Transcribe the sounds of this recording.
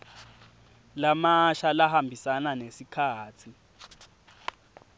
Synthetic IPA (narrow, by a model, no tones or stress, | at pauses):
lamaʃalahambʱisananesikʰaːt͡sʰi